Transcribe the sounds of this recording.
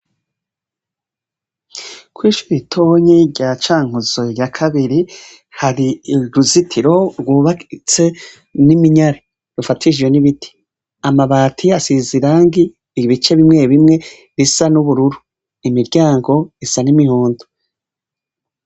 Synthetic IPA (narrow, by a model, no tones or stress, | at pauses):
kwiːʃuɾitʰo̞ːɲiɾɟat͡ʃaːŋ̥uzojakʰaβiɾi | haɾiɾuzitʰiɾo̞ɾɡwuːβakit͡se̞ | nimiɲaɾe | ɾufatʰid͡ʒwe̞niβitʰi̥ | amaβaːtʰiasiziɾaŋɡi | βit͡ʃe̞βimŋe̞βimŋe̞ | βisanuβuɾuɾu | imiɾɟaːŋɡo̞isanimihuːndo